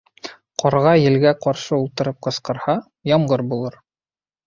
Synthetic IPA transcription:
qʰɒɾʁɑjɘ̆lɡæqɒɾʃɤulˠt̪ɤ̆ɾɤp̚qɤ̆sqɤ̆ɾhɑ | jɑmʁɤɾbulˠɤɾ

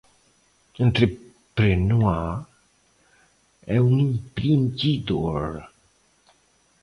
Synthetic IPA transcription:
ənt̪ɾe | pɾenua | ɛunimpɾintid̪oɾ

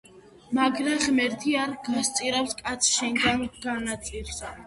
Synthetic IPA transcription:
maɡɾaχmɛɾt̪ʰiaɾɡast̪sʼiɾapskʼat̪sʰʃɛŋɡanɡ̥anat̪sʼiɾs

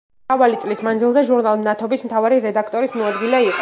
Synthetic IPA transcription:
avalit̪sʼlismanzilˠzɛʒuɾnalˠnat̪ʰɔbismt̪ʰavaɾiɾɛd̪akʰt̪ʼɔɾismɔad̪ɡilɛiqʼɔ

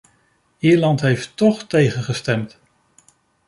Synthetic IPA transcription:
iːɹlɑntɦejftɔχtejχəχəstɛmt

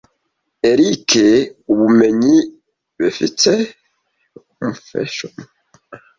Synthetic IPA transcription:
eɾikʰeuβumeɲi | befḭtɛ | m̩fɛ̰ʃɔm

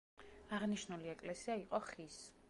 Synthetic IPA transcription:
aʁniʃnuliɛkʼlɛsiaiqʼɔχis

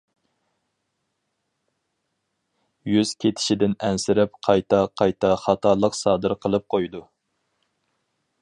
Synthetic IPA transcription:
jyz̥kʲʰet̪ʰɪ̥ʃid̪ɪnɛnsɪɾɪp̚qʰɑjt̪ʰɑqʰɑjt̪ʰɑχɑt̪ʰɑlˠəqsɑːd̪ɨɾqʰəlˠɨp̚qʰojd̪u

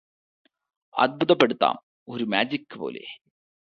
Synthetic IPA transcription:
ɐ̰d̪̚but̪ɐpːeɽɯt̪ːa̰ːm | oɾumaːd͡ʑikːɨpoːlḛː

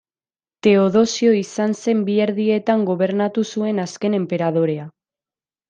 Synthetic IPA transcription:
t̪e̞o̞ðo̞sio̞isanse̞mbie̞ɾðie̞t̪aŋɡo̞βe̞ɾnat̪usue̞naske̞ne̞mpe̞ɾað̞o̞ɾe̞a

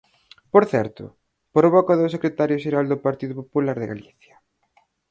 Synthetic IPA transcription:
poɾθɛɾt̪ʊ̰ | pɾoβɔkaðoʊsekɾet̪aɾjʊʃeɾald̪ʊpaɾt̪iðʊpopulaɾðɪɣa̰liθjɐ̥

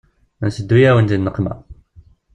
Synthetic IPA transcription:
ənsəd̪ːujæwənt̪inːəqːmæ̰

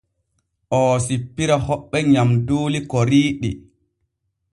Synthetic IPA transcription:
ʔɔːsipːiɾahɔɓːɛɲamdoːlikɔɾiːɗḭ

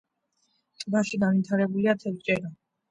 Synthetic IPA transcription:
t̪ʼɡaʃiɡanvit̪ʰaɾɛbuliat̪ʰɛvt͡ʃʼɛɾa

